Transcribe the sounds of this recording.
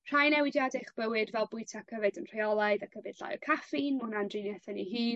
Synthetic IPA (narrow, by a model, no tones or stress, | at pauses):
r̥ajnɛwɪdjadɛχb̥əwɨdvɛlˠbʊɨtʰakʰəvɨdənr̥ajɔlˠaɨðakʰəvɨdɬa̰jɔkʰafɪnmunandrinjɛθɛniɦiːn